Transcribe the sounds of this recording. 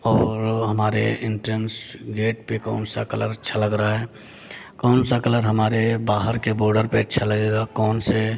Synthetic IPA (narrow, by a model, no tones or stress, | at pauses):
ɔːɾɦəmaːɾeɪɳʈɾənsɡeːʈpekɔ̰ːnsa̰kələɾətːʃʰaləɡɾaaɦɛː | kɔːnsakələɾɦəmaːɾebaːɦəɾkeboːɾɖəɾpeətːʃʰaləɡeːɡakɔːnse